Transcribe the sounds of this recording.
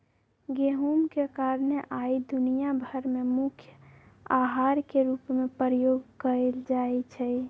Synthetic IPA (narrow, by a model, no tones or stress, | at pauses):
ɡeɦumkekaɾneʔaid̪unijabʱəɾmemʊkʰjəaɦaɾkeɾupmepɾəjoɡkəɾeld͡ʒaet͡ʃʰɛ